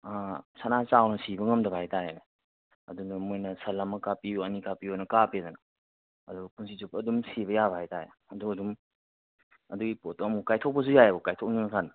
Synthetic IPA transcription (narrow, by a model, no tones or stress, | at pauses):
asanat͡ʃawnɐsibɐŋɐmdɐbahajtajenɐ | ɐ̰dunɐmojnɐsɐlːamɐkapiuɐnikapionɐkapedɐnɐ | ɐduɡɐpunsizupːdumsiβɐjabahajtaje | ɐduɐdum | ɐduɡipotɔɐmukajtʰɔk̚pɐzujajɐbukajtʰɔk̚ninkʰan